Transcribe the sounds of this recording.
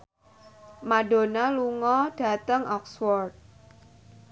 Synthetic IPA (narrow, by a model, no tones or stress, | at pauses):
maɖo̤naluŋɔɖ̥ä̤t̪əŋɔkswɔrt̪̚